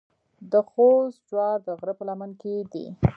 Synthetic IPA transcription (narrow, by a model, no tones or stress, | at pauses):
d̪əxosd͡ʒwɑɾd̪əɣɾəpəlamanked̪ḭ